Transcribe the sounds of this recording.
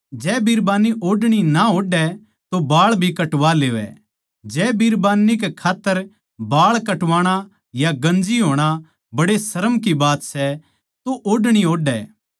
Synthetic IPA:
d͡ʒɛːbiɾbaːniʔoːɖɽ̃inaɦoːɖɛ | t̪obaːɭbʱikɐʈʋaleːʋɛ̰ | d͡ʒɛːbiɾbaːnːikekʰaːt̪ːəɾ | baːɭkɐʈʋaːɽ̃a | jaɡɐ̃nd͡ʒiɦoːɽ̃a | bɐɽesɐɾəmkibaːt̪sɛ | t̪oʔoːɖɽ̃iɦoːɖɛː

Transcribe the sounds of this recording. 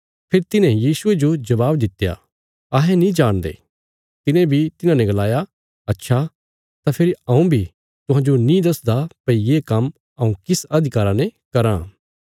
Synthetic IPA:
pʰeɾt̪ɪnɛ̃jiːsʊed͡ʒod͡ʒɐbaːbd̪ɪt̪ːja̰ | ɐɦɛ̃nĩd͡ʒaːɽ̃d̪ḛː | t̪ɪnẽbʱit̪ɪnãnɛ̃ɡɐlaːja | ɐtːʃʰa | t̪apʰeɾiɐ̃ũbʱi | t̪ʊɦãːd͡ʒonĩd̪ɐsd̪apɐijekɐm | ɐũkɪsɐd̪ʱɪkaːɾanẽkɐɾã̰

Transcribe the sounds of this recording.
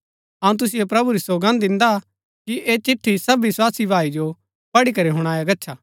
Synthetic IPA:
ɐũt̪̬ʊs̬ɪjepɾɐbuɾisoːɡə̃nd̪ɪ̃nd̪a | kiʔeːt͡ʃɪʈʰːisɐbʋɪswaːsibʱaːid͡ʒo | pɐɽikɐɾeɦʊɽ̃aːjaɡɐtːʃʰaː

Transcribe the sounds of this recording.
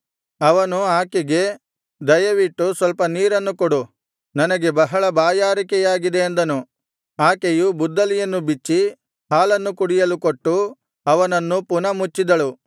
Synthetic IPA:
ɐʋɐnuaːkiɡe̞ | d̪ɐjɐʋiʈːusʋɐlpɐniːɾɐnːukoɽu | nɐnɐɡe̞bɐɦɐɭɐbaːjaːɾikɛjaːɡid̪e̞ːnd̪ɐnu | aːkejubud̪ːɐlijɐnːubit͡ʃːi | haːlɐnːukuɽijɐlukoʈːu | ɐʋɐnɐnːupunɐmut͡ʃːid̪ɐɭu

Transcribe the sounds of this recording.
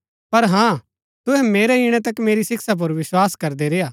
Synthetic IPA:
pɐɾɦãː | t̪ʊɦɛ̃meːɾɛɪɽ̃ɛ̃t̪ɐkmeːɾisɪksap̬ʊɾʋɪswaːskɐɾd̪eɾeːaː

